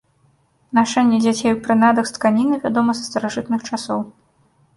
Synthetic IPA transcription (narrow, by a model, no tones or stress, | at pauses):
naʂɛnʲːɛd͡zʲat͡sʲejwpɾɨnad̪ɐkst̪kanʲinɨvʲad̪ɔmɐzɐst̪ɐɾaʐɨt̪̚nɨxt͡ʂasɔw